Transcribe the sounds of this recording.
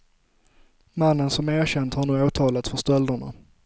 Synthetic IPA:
manːənsɔmæːɕɛnd̪haɳuːoːt̪ʰɑːlat̪sfœʂt̪ɔld̪əɳa̰

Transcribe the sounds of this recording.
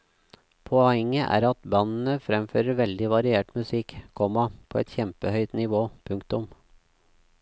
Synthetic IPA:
pʰoːɛŋːəʔæ̰ːɾɑt̪bɑnn̩əfɾɛmføːɾəɾʋɛld̪ɪʋɑɾɪeːʈmʉsɪkkʰɔmɑpʰoːɛt̪çɛmpəhœʏt̪nɪʋoːpʰʉŋkt̪ʊm

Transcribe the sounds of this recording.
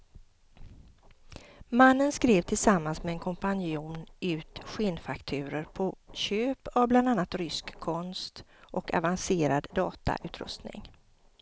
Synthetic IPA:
manːənskɾeːvt̪ʰɪlsamːansmɛɛnkʰɔmpanjuːnʉ̟ːt̪ɧɪnfakt̪ʰʉ̟ːɾəɾpʰɔɕøːpavbland̪anːat̪ɾʏskʰːɔnst̪ʔɔka̰vanseːɾad̪ːɑːt̪a̰ʔʉ̟ːt̪ʰɾɵ̰st̪nɪ̰ŋ

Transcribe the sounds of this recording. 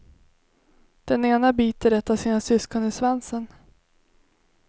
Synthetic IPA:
d̪̥ɛneːnabiːt̪əɾɛt̪ːasiːnasʏskɔnɪsvansən

